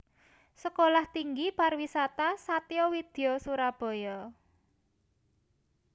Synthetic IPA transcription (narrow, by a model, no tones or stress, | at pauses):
səkolaht̪iŋɡiparwisat̪asat̪iɔwid̪̥e̤osuɾab̥ɔ̤jɔ